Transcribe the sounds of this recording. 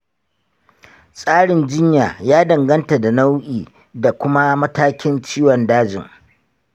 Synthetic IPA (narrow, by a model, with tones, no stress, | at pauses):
sʼaː˦ɽɪ˨nd͡ʒɪ˦ɲjaː˨jaː˦dɐ˨ŋɡɐ˦nta˨da˨na˦wʔiː˨ | da˨kʷʊ˦ma˦mɐ˦taː˦kʲɪ˦nt͡ʃiː˦wɔ˨ndaː˦d͡ʒɪ̰˨ŋ